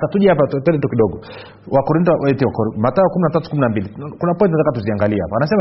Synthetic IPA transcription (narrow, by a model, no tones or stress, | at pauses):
satuʄɛapatɛndɛtukiɗɔɡɔ | wakɔɾintɔɛntiwakɔɾmataɔkuminatatu̥kuminambilikunapɔjint̬inatakatuziaŋɡaliɛha̰paanasɛma